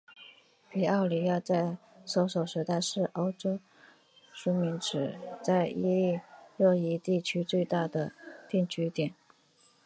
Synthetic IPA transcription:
pi˨˩ɑ˥˩ʊli˨˩ja˥˧t͡sa˥˩ɪ | so˧˥ʊʂo˨˩ʊʂɻ̩˧˥t̪a˥˧ɪʂɻ̩˥˩ʔo˥ʊʈ͡ʂo˥ʊ | ʂu˥mi˧˥ŋʈ͡ʂɻ̩˨˩t͡sa˥˧ɪi˥˧li˥˧ɻɤ˥˧˩i˧˥t̪i˥˩t͡ɕʰy˥t͡swe˥˧ɪt̪a˥˩d̪ə˩t̪i˥˩ŋt͡ɕʰy˧˥t̪jɛ˨˩˦n

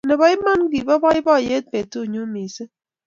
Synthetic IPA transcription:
ne˨bɔ˦i˦ma˦nɡi˨bɔ˦bɔ˦i˦bɔ˦˨je˦t̚pe˨to˦˨ɲo˦mi˨se˦

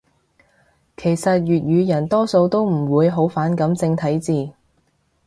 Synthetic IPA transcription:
kʰe˨˩jsɐ˨t̚jyː˨t̚jyː˨˧jɐ˨˩nt̪ɔː˥so˧wt̪o˥wm̩˨˩wuː˨˧jɦo˨˥wfaː˨˥nkɐ˨˥mt͡sɪ˧ŋt̪ʰɐ˨˥jt͡siː˨˧

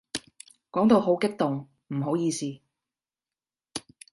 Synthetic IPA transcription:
kɔː˨˥ŋt̪o˨˧wɦo˨˥wkɪ˥k̚t̪ʊ˨ŋ | m̩˨˩ɦo˨˥wjiː˧siː˧

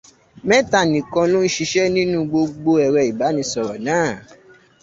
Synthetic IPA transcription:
mɛ̃˦ta˦˨nĩ˨kã˧lo˦n̩˦ʃi˧ʃɛ˦nĩ˦nũ˦ɡ͡bo˧ɡ͡bo˧ɛ˨ɾɛ˧˨i˨ba˨˦nĩ˧˦sɔ˨ɾɔ˨nãː˨˦˨

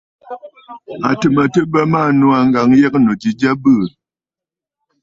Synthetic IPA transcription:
a˨tə˨mə˨tə˦bə˦ma˦˨nu˦a˨ŋ˦ɡa˨ŋjɛ˦k̚no˨d͡ʒi˨d͡ʒa˦bə˦˨

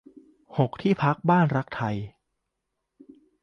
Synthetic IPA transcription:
ho˨˩k̚t̪ʰiː˥˩pʰa˦˥k̚baː˥˩nɾa˦˥k̚t̪ʰa˧j

